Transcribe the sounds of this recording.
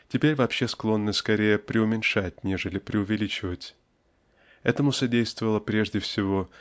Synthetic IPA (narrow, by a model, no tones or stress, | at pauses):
tʲɪpʲeɾʲvɐpɕe̞sklˠo̞nːəskɐɾʲejəpɾʲɪʊmʲɪnʲʂat̚ʲnʲeʐɨlʲɪpɾʲɪʊvʲɪlʲit͡ɕɪvətʲ | ɛ̰t̪əmʊsɐdʲejst̪vəvəlˠəpɾʲeʐdʲɪfsʲɪvo̞